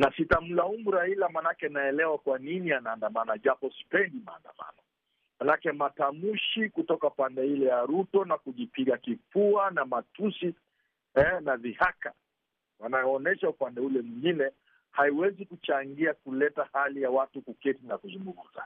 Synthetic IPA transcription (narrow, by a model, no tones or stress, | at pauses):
nasitam̩laumuɾailamanakɛnaɛlɛwakwaninianaːndamanaʄapɔsi̥pɛndima̰ːnda̰ma̰nɔ | manakɛmatamuʃikutɔkapandɛilɛjaɾutɔnakuʄipiɠakifuanamatusi | ɛnavihaka̰ | wanajɔɔnɛʃaupandɛulɛmwiŋɡinɛ | haiwɛzikut͡ʃaŋɡiakulɛtahalijawatukukɛtinakuzuŋɡumuza̰